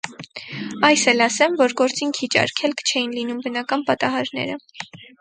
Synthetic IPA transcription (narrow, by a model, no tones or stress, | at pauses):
ɑjsɛlɑsɛmvɔɾɡɔɾt͡siŋkʰit͡ʃɑ̰ɾkʰɛlkʰt͡ʃʰɛjinlinumbənɑkɑnpɑt̪ɑɦɑɾnɛ̰ɾə